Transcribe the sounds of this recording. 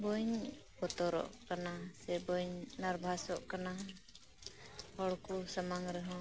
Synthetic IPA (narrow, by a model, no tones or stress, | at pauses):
bɔɲ | pɔt̪ɔɾɔ̰ʔkanasɛbɔɲnaɾbʱasɔʔkana | hɔɽkusamaŋɾɛɦɔ̃